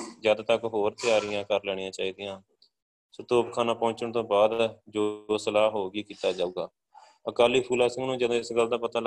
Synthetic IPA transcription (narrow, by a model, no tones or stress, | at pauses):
zjaːd̪aːt̪əkɦoːɾt̪ɪjaːɾɪjãːkəɾlɛːɽ̃ɪjãːt͡ʃaːiːd̪ɪjãː | sət̪oːpkʰaːnãːpɔ̃ːɲt͡ʃəɳt̪õːbaːd̪d͡ʒosəlaːɦoːɡiːkiːt̪aːd͡ʒaːuɡaː | əkaːliːpʰuːlaːsɪ̃ŋɡnũːd͡ʒəd̪õːɪsɡəld̪aːpət̪aːl